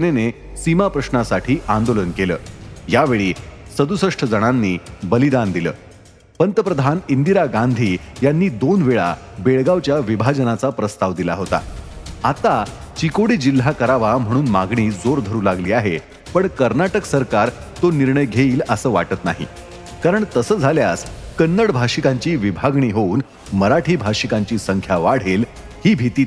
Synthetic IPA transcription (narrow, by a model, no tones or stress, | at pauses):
nene | simapɾəɕnasaʈʰiːʔand̪olənkeləːjaʋeɭiːsəd̪usəʂʈʰəd͡zəɽ̃anːiːbəlid̪and̪ilə̰ː | pənt̪əpɾəd̪ʱanind̪iɾaɡand̪ʱiːjanːiːd̪onʋeɭa̰beɭɡaʋt͡ɕjaʋibʱad͡ʑənat͡sapɾəst̪aʋd̪ila̰ɦot̪a̰at̪a | t͡ɕikoɽiːd͡ʑil̤ːakəɾaʋam̤əɽ̃uːnmaɡɳiːd͡zoɾd̪ʱəɾuːlaɡliːaɦe | pəɳkəɾnaʈəksəɾkaɾ | t̪oniɾɳəjɡʱeiːləsəːʋa̰ʈət̪na̰ɦḭ | kaɾəɳt̪əsəːd͡zʱaljaskənːəɽbʱaʂikaɲt͡ɕiːʋibʱaɡɳiːɦouːn | məɾaʈʰiːbʱaʂikaɲt͡ɕiːsəŋkʰjaʋaɽ̤eːl | hiːbʱit̪iː